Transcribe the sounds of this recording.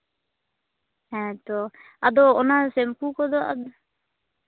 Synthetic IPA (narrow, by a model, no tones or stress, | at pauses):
ɛ̃t̪ɔ | ad̪ɔɔnasɛmpukɔd̪ɔa̰d̪ɔ